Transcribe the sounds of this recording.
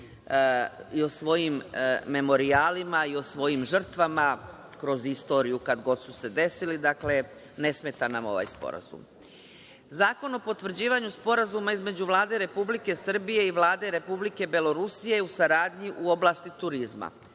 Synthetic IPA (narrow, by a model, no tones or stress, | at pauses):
io̞sʋo̞jimːe̞mo̞ɾiaːlimaio̞sʋo̞jimʒər̩t̪ʋama | kɾo̞zist̪o̞ːɾijukad̪ɡo̞d̪suse̞d̪e̞silid̪akle̞ | ne̞smet̪anamo̞̰ʋa̰ːjspo̞̰ɾa̰zṵm | zaːko̞no̞po̞t̪ʋr̩d͡ʑiːʋaɲuspo̞ɾazumaizme̞d͡ʑuʋlˠaːd̪e̞ɾe̞publike̞sr̩bije̞iʋlˠaːd̪e̞ɾe̞publike̞be̞lo̞ɾusije̞jusaɾaːd̪ɲiʔuo̞blˠast̪it̪uɾizma̰